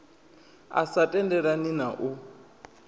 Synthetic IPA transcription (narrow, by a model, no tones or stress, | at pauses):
a̰satʼɛndɛɺaninaʔu